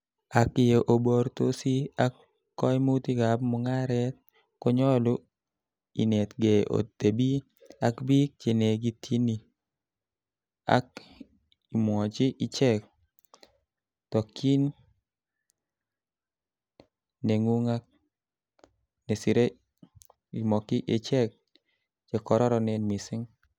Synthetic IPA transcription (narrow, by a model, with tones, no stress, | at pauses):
a˨kɪ˨jo˨ʔo˨bo˨˦ɾt̪o˦si˦a˦kː | ɔ˦jmu˦t̪i˦ɡa˨bmɔ˦ŋa˦ɾɛ˦t̪̚ | kɔ˦ɲɔ˦lʊ˦ | ḭ˨nɛ˨t̪ɡe˨ʔo̰˨te˨bi˦ | a˨kbi˦k̚t͡ʃe˨ne˨ɡi˦t̪ʰi˦ni˨ | a̰˦k | i˨mwɔ˨t͡ʃɪ˦ʔɪ˨t͡ʃɛ˦k̚ | tɔ˨kʰi˦n | ne˨ŋu˦ŋa˦k̚ | ne˨si˨ɾe˦ | i˨mɔ˨kɪ˦ʔe˦t͡ʃɛ˦k̚ | t͡ʃe˨kɔ˨ɾɔ˦ɾɔ˦nɛ˦nmi˨sɪ˦ŋ